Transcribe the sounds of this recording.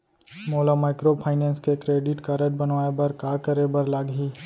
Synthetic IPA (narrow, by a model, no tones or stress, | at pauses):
moːlamaːɪkɾopʰaːɪnẽːnskekɾeːɖɪʈkaɾəʈ̚bənʋaːebɐɾkaːkəɾebɐɾlaːɡɦi